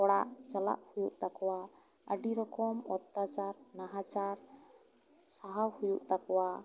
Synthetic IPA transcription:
ɔɽa̰ʔt͡ʃala̰ʔhujuʔt̪akɔwa | əɖiɾɔkɔmɔt̪ːat͡ʃaɾnaɦat͡ʃaɾ | saɦawhujuʔt̪akɔwa

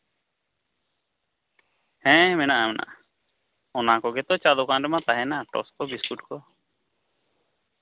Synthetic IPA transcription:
hɛ̃ːmɛnaʔamɛna̰ʔ | ɔnakɔɡɛt̪ɔt͡ʃalɔkãɖɛmat̪aɦɛnaʈɔ̰skɔbiskuʈkɔ

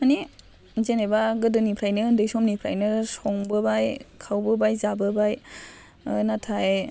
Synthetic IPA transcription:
mani | zenebaɡɯdɯnipʰɾajnɯndɯjsɔmnipʰɾa̰jnɯsɔŋbɯbajkʰawbɯbajzabɯbaj | natʰaj

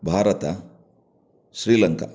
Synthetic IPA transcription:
bʱaːɾɐt̪ɐ | ʃɾiːlɐŋka̰

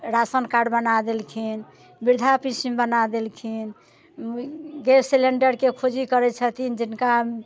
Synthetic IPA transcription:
ɾasənkaɖbənad̪elkʰin | biɾd̪ʱapisimbənad̪elkʰin | ɡesileɳɖəɾkekʰod͡ʒikəɾɛt͡ʃʰət̪ind͡ʒinka

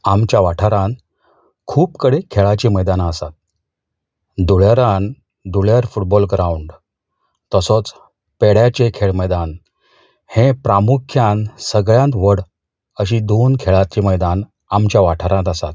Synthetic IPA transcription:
amt͡ɕjaʋaʈʰəɾãn | kʰuːpkəɽekʰeɭat͡ɕiːməjd̪anəsat̪̚ | d̪uɭjaɾãn | d̪uɭjaɾfuʈ̚bɔlɡɾãuɳɖ | t̪əsɔt͡s | peɽjat͡ɕekʰeɭməjd̪an | hẽpɾamukʰjãnsəɡɭjãnt̪ʋəɽ | əɕid̪onkʰeɭat͡ɕiməjd̪an | amt͡ɕjaʋaʈʰəɾãnt̪əsa̰t̪̚

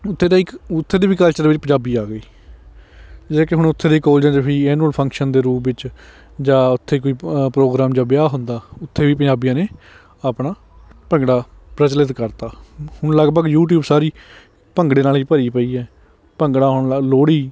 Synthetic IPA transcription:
ʊt̪ʰːeːd̪aːɪkʊt̪ʰːeːd̪iːbiːkəlt͡ʃəɾʋɪt͡ʃpəɲd͡ʒaːbiːaːɡəiː | d͡ʒeːkeɦʊɽ̃ʊt̪ʰːeːd̪eːkoːld͡ʒãːd͡ʒapʰiːɛːnuːəlpʰə̃ŋkʃənd̪eːɾuːpʋɪt͡ʃ | d͡ʒaːʊt̪ʰːeːk̬oːiːpɾoːɡɾaːmd͡ʒaːbɪjaːɦʊnd̪aːʊt̪ʰːeːʋiːpə̃d͡ʒaːbijãːneː | əpɽaː | pəŋɡɽaː | pɾət͡ʃələt̪kəɾt̪aːhʊɳ̃ləɡpəɡjuːʈ̬juːbsaːɾiː | pəŋɡɽeːnaːliːpəɾiːpəiːɛː | pəŋɡɽaːɦʊɳaloːɽiː

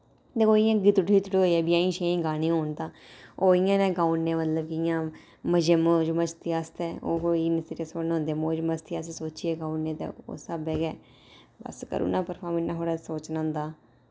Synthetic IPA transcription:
d̪eːkoːɪjãːɡɪt̪ʈit̪ɽoːiɛːbiãĩːʃẽĩːɡaːnĩːɦoːɳt̪ãːoːɪjãːnẽːɡaːunːẽːmət̪ləbkɪjãː | məd͡ʒeːmoːd͡ʒmət͡ʃt̪iːast̪ɛːo̰ːɦoːinɪseʈesoːnːõʊnd̪eɛːmoːd͡ʒməst̪iassoːt͡ʃiɛːɡaːunːẽːt̪ḛːo̰ːsəbɛːɡɛː | bə̰skə̰ɾṵːnãːpəɾpʰaːɾmɪnãːɦoːɽaːsoːt͡ʃnaːʊnd̪aː

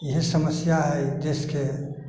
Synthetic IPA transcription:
iɦisəməsjaɦɛjd̪eske

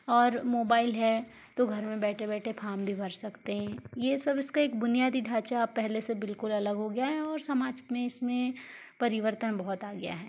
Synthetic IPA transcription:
ɔːɾmoːbaːɪlɦɛ | t̪oɡʱɐɾmẽbɛːʈʰebɛːʈʰepʰaːɾmbʱibʱɐɾsɐkt̪eɦɛ̃ːjesɐbɪskaeːk̚bʊnijaːd̪id̪ʱaːt͡ʃapɛɦlesebɪlkʊlɐləɡɦoɡɐjaɦɛɔːɾsɐmaːd͡ʒmẽɪsmẽ | pɐɾɪʋəɾt̪ənbɐɦʊt̪aːɡɪja̰ɦɛː

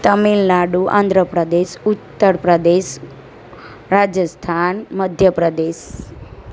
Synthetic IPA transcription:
t̪əmilnaɖuʔã̰nd̪ʱɾəpɾəd̪eʃʊt̪ːəɾpɾəd̪eʃ | ɾad͡ʒjəst̪ʰanməd̪ʱjəpɾəd̪eʃ

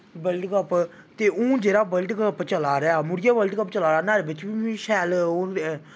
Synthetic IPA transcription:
bəlʈkəp | t̪eːũːd͡ʒeːɾaːbəlʈkəpt͡ʃəlaːɾɛaːmʊɽɪjaːbəlɖkəpt͡ʃəlaːɾaːnaːɾeːbɪt͡ʃbiːʃɛːlo

